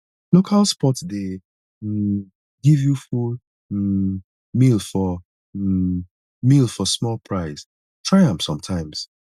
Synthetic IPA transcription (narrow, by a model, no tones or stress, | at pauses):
lokʰalˠspɔtde | ɡivjuful | milfɔ | milfɔsmɔlˠpʰɹaɪs | tʰɹ̥aɪãmpsɔ̃mtʰãɪ̃ms